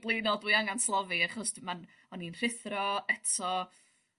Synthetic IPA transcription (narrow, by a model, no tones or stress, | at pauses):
blˠenɔdwiaŋanslˠɔviaχɔsman | ɔninr̥ɪθrɔɛtʰɔ